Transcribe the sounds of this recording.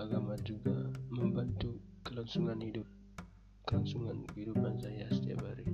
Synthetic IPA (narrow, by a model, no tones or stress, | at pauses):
aɡamad͡ʒuɡaməmbant̪u | kəlɔnsuŋanhidʊp̚ | kəlansuŋankəɦidupansajasət̪ia̰baɾi